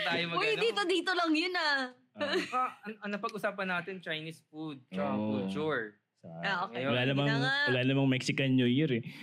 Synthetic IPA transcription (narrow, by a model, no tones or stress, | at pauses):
t̪aːjomɐɡj̪iːt̪od̪iːt̪olɐŋjʊna | aɐŋʔɐŋnɐpɐɡʔʊsaːpɐnːaːt̪ɪnt͡ʃɐjniːsfud̪̚t͡ʃɐʊlt͡ʃuɹ | aʔoːkjowɐlaːnɐmɐŋwɐlaːnɐmɐŋmɛksɪkɐnɲojʊɾɛ